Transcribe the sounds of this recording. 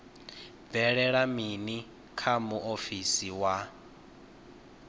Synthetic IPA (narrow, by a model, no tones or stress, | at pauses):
b̪vɛɺɛɺamini | kʰamuʔofisiwa